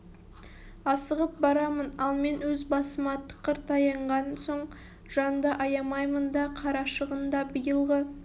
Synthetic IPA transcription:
ɑsəʁəp̚bɑɾɑmənɑlˠme̞nwɵzbɑsəmɑt̪ːə̥qʰːəɾt̪ɑjɑɴʁɑnso̞ɴ | ʒ̥ɑnd̪ɑʔɑjɑmɑjmənd̪ɑqʰɑɾɑʃəʁənd̪ɑbəjəlˠʁə

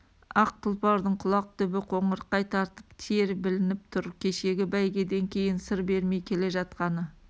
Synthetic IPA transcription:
ɑq̚t̪ʰʊlˠpɑɾd̪əɴqʰʊlˠɑq̚t̪ʰʏbɪqʰo̞ɴəɾqɑjt̪ʰɑɾt̪ə̥pt̪ʰeɾbɪlɪnɪp̚t̪ʰʊɾkʲʰe̞ʃe̞ɡʲɪbæjɡʲe̞d̪e̞ŋkʲʰe̞jɪnsəɾbe̞ɾme̞jkʲʰe̞le̞ʒɑt̪qɑnə

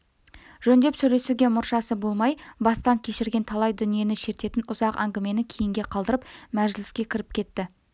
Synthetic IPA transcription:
ʒɵnd̪e̞psɵɾe̞suɡʲe̞mʊɾʃɑsəbo̞lˠmɑjbɑst̪ɑŋkʲʰe̞ʃɪɾɡʲe̞nt̪ʰɑlˠɑjd̪ʏnije̞nɪʃe̞ɾt̪e̞t̪ɪnʊzɑqæ̰ŋɡʲɪme̞nɪkʲʰejɪŋɡʲe̞qʰɑlˠd̪əɾəpmæʒɪlɪskʲe̞kʲʰɪɾɪp̚kʲʰe̞t̪ːɪ

